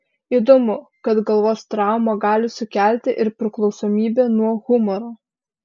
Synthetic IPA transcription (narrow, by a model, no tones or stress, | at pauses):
iːd̪omʊkɐt̪ɡɐlˠʋoːst̪ɾɑˑʊmɐɡɑːlʲɪsʊkʲæˑlʲt̪ʲɪʔɪɾpʲɾʲɪklˠɒʊsoːmʲiːbʲeːnuɔɣʊmɔɾoː